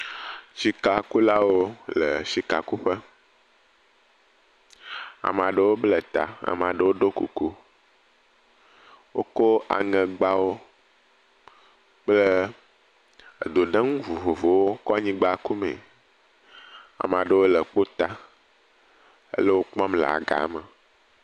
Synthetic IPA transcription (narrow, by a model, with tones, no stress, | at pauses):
si˨ka˨ku˦la˦wo˦lə̰˨si˨ka̰˨ku˦ɸə˦ | a̰˨m˨a˨ɖə˨wo˦blə˦t̪a̰˨a̰˨m˨a˨ɖə˨wo˦ɖo˦kṵ˨ku˦ | wo˦ko˦a̰˨ŋɛ̃˨ɡ͡ba˦wo˦ | k͡plə˦˨ | d̪o˨ɖə˦ŋũ˦vu˨vo˨vo˨wo˦kɔ˦a˦˨ɲĩ˦ɡ͡ba˦˨ku˦mḛ̃˨ | a̰˨m˨a˨ɖə˦wo˦lə˨k͡po˦t̪a˦ | ə̰˦lə˦wo˦k͡pɔ̃˦mlə̰˨a̰˨ɡa̰˨˦mə˨